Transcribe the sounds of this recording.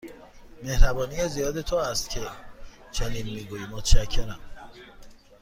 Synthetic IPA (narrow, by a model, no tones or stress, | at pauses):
mehɾæbɒːnijezijɒːd̪e̞t̪ʰoæst̪cʰe | t͡ʃʰeniːnmiːɡuːjimot̪ʰʃæcʰːeɾæm